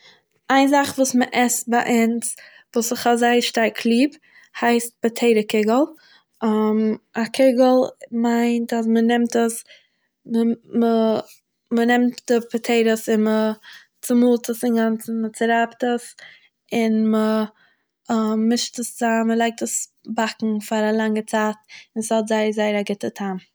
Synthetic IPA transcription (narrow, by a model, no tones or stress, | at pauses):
aɪnzaχvuːsməʔɛst̚baʔans | vuːsɪχazaɪəʃtaɾkʰlˠiːb | haɪst̚bətʰeɪɾəkɪɡəl̩ˠ | amakʰɪɡəl̩ˠmaɪntas̬mənɪmtəs | məmə | mənɪmtdɪpʰətʰeɪɾəsɪnmə | t͡sɪmulˠtəsɪnɡant͡sənmət͡sɪɾaptəs | ɪnmə | mɪʃtəst͡saməlˠaɪk̚təs | bakŋ̩faɾalˠaŋət͡saːt̚ɪnshɔtzaɪəzaɪəɾaɡɪtətʰam